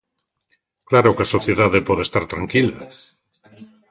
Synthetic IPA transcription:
klaɾokasoθjeðaðepoðest̪aɾt̪ɾaŋkila

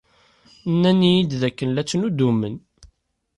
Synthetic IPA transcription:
nːænijid̪ðækːənlæt͡sːnud̪umən

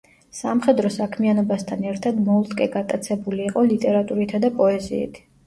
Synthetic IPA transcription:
samχɛd̪ɾɔsakʰmianɔbast̪ʰanɛɾt̪ʰad̪mɔulˠt̪ʼkʼɛɡat̪ʼat̪sʰɛbuliːqʼɔlit̪ʼɛɾat̪ʼuɾit̪ʰad̪apʼɔɛzḭːt̪ʰ

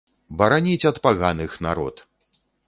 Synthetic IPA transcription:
bɐɾanʲit͡sʲɐt̪paɣanɨxna̰ɾɔ̰t̪

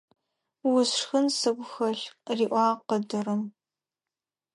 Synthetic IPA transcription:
wʊsʂxɨnsɨɡʷxɐɬriːʔʷɑːqədɨɾɨm

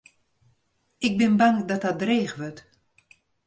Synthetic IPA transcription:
ɪk̚bɪnbaŋdɔt̚dɔt̚dreːɣʋøt

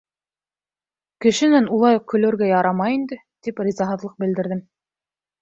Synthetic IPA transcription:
kɘ̆ʃɘ̆nænulˠɑjuq̚kːɵ̆lɵ̆ɾɡæjɑɾɑmɑjind̪ɘ | t̪iprʲizɑɦɤ̆ðlˠɤq̚bɘ̆ld̪ɘ̆ɾðɘm

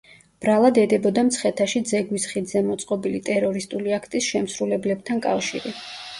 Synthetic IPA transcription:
b̥ɾalˠad̪ɛd̪ɛbɔd̪amt̪sʰχɛt̪ʰaʃid̪zɛɡwisχid̪zɛmɔt̪sʼqʼɔbilit̪ʼɛɾɔɾist̪ʼuliakʰt̪ʼisʃɛmsɾulɛblɛb̚t̪ʰankʼafʃḭɾi

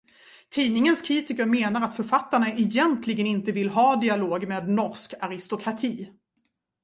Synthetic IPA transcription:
t̪ʰiːnɪŋənskʰɾiːt̪ɪkəɾmeːnaɾat̪fœɾfat̪ːaɳaʔɛjɛnt̪ʰlɪɡənɪnt̪əvɪlɦɑːd̪ɪaloːɡmeːd̪nɔɾʂkaɾɪst̪ʊkʰɾat̪ʰiː

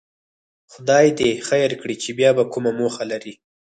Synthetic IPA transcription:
xʊd̪ɑjd̪exajəɾkɽit͡ʃebjɑbakʊmamoxalaɾi

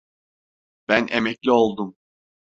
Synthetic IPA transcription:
b̥ænʔemɛclʲio̞lˠd̪um

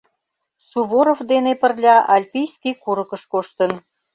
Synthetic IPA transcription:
suβoɾofd̪enepərlʲɑʔɑlʲpʲijskʲikuɾəkə̆ʃkoʃt̪ən

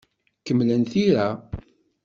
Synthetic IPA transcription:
kəmːlənθiɾa

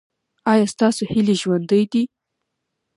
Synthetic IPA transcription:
ɑjɑst̪ɑsohileʒwand̪əjd̪i

